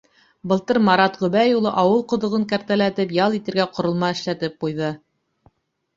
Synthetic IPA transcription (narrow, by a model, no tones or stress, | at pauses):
bɤ̆lˠt̪ɤɾmɑɾɑt̪ʁɵ̆βæjulˠɤʔɑwɤlˠqŏðŏʁɤŋkæɾt̪ælæt̪ɘpjɑlˠit̪ɘ̆ɾɡæqŏɾŏlˠmɑɘ̆ʃlæt̪ɘp̚qujðɤ